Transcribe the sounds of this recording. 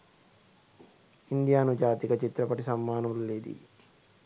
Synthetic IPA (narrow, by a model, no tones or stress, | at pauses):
ind̪ijaːnud͡ʒaːt̪ikɐt͡ʃit̪ɾɐpɐʈisɐmːaːnulleːd̪ḭ